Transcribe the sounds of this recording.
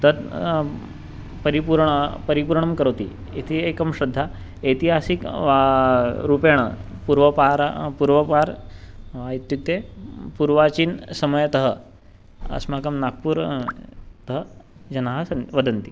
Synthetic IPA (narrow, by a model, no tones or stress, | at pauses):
t̪əɾ | pəɾipuɾɳəpəɾipuɾɳəmkəɾəwt̪ḭ | it̪ʰiekəmɕɾɐd̪ʱːa | et̪iɦasik | ɾupeɽ̃ə̰puɾʋəpaɾpuɾʋəpaɾʋait̪jut̪epuɾʋat͡ɕiːnsəməjt̪əɦə | ɐ̰smakɐmnak̚puːɾ | t̪əɦə | d͡ʑɐnaɦasɐnʋəd̪ənt̪i